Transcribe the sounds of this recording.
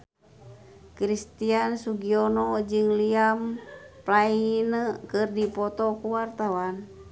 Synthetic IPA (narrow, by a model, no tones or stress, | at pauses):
kɾist̪iansuɡionɔd͡ʒɨŋliamplainəkɨrdipɔt̪ɔkuwart̪awan